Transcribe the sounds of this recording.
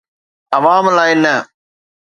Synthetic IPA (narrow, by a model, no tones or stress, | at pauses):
ɐʋaːmlaːɪnɐ